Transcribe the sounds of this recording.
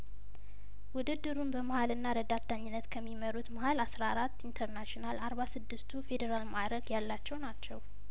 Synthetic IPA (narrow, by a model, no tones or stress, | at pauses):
wʊd̪ɨd̪ːɨɾunbəməhalɨnːaɾəd̪at̪ʰːaɲːɪnːət̪kʰəmːiməɾut̪məhalasɾaaɾat̪ːint̪ʰəɾnaʃonalaɾβasɨd̪ːɨst̪ʰufe̞d̪əɾalmad̪ɾəɡjalːat͡ʃːɛwnat͡ʃːɛw